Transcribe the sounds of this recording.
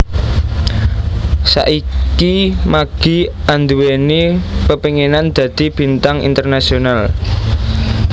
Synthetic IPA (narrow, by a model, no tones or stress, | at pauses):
sa̰ʔikimaɡ̥i̤and̪uwenipəpiŋenand̪̥ä̤d̪̥i̤b̥i̤nt̪aŋḭnt̪ərnasional